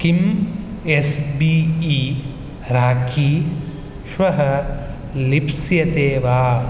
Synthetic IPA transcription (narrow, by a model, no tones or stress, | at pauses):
kim | esbiːiː | ɾaːkʰiː | ʃʋɐɦɐ | lipsjɐt̪eːʋaː